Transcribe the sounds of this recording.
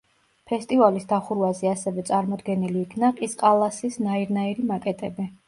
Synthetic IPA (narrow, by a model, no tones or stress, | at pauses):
pʰɛst̪ʼivalisd̪aχuɾvazɛasɛvɛt̪sʼaɾmɔd̪ɡɛniliːkʰnaqʼisqʼalˠasisnaiɾnaiɾimakʼɛt̪ʼɛbi